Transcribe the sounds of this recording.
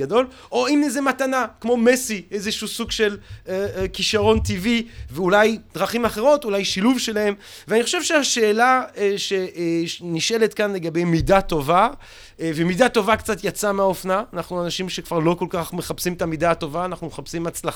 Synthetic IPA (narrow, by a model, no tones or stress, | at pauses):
ado̞l | ʔo̞imnezematanakmo̞mesiezeʃusuɡʃe̞l | kiʃaʁo̞ntiviveulajd̥̪ʁaχimaχe̞ʁo̞t̪ulajʃiluvʃe̞lahe̞m | veaniχo̞ʃe̞vʃeaʃe̞ːlaʃeniʃelet̪kanle̞ɡabe̞jmidato̞va | vemidato̞vakt͡sat̪jat͡sameaofnaːnaχnuanaʃimʃekv̥aʁlo̞ko̞lkaχmeχapsimet̪amidaːto̞vaːnaχnumeχapsimat͡sla